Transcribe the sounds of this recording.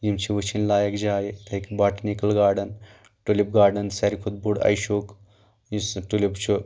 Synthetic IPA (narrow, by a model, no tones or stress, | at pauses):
jimt͡ʃʰiʋɨt͡ʃʰinlaːjɐkd͡ʒaːjit̪ʰɐkbaːʈnikɐlɡaːɾɖɐn | ʈulip̚ɡaːɾɖɐnsɐɾikʰud̪̚buɽɐ̰jʃoːk | jisʈulipt͡ʃʰu